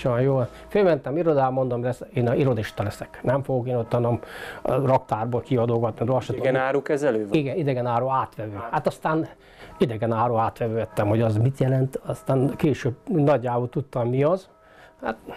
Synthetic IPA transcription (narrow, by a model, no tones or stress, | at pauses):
ʃojoː | følmɛnt̪ɛmiɾod̪aːmond̪omlɛseːniɾo̞d̪iʃt̪ɒlɛsɛknɛɱfoɡokeːnot̪ːɒnomrɒkt̪aːrboːlkiɒd̪oːɡɒt̪nid̪ɒʃot̪ɛnaːɾuːkɛzɛløːʋiɡɛnid̪ɛɡɛnaːɾoːaːt̪ʋɛvøːhat̪ɒst̪aːn | id̪ɛɡɛnaːɾoːaːt̪ʋɛvøːɛt̪ːɛmho̞ɟɒzmit̪jɛlɛnt̪ɒst̪aːnkeːʃøːbnɒɟːaːbolt̪ut̪ːɒmmiɒz | ha̰t̪